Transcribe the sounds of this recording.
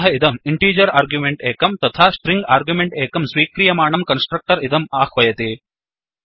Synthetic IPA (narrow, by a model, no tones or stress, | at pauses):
ɦɐid̪ɐmiɳʈiːd͡ʒɐɾaːɾɡjumeɳʈeːkɐmt̪ɐt̪ʰaːsʈɾiŋɡaːɾɡjumeɳʈeːkɐmsʋiːkɾijɐmaːɳɐmkɐnsʈɾɐk̚ʈɐɾid̪ɐmaːxʋɐjɐt̪i